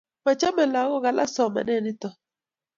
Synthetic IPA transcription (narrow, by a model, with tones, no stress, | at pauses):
ma˨t͡ʃa˦mɛ˨la˨˦ɣɔ˦ɣa˨lʔa˦sɔ˨mɛ̰˨nɛ˦˨nɪ˦tɔ˨